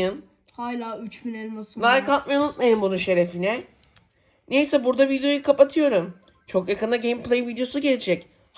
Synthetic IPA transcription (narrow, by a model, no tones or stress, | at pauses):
ɯn | haːlʲaːyt͡ʃbinɛlʲmasɯnˠaɾkʰalˠt̪̚majunut̪̚majɯmbunuʃe̞ɾefinɛ | nejsɛbuɾd̪avid̪ejo̞jukʰapat̪ʰɯjo̞ɾum | t͡ʃʰo̞kjakʰɯnd̪aɟe̞jmpʰlʲˠejvid̪ejo̞suɟeɾʲd͡ʒʰɛc | h